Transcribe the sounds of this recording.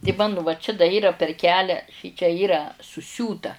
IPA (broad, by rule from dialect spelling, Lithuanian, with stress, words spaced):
tʲɪ ˈmɑːnʊ ʋɐ t͡ʃʲɛ dɐ ˈiːrɐ pʲɛr ˈkʲæːlʲæː ˈʃʲɪt͡ʃʲɛ ˈiːrɐ sʊˈsʲuːtɐ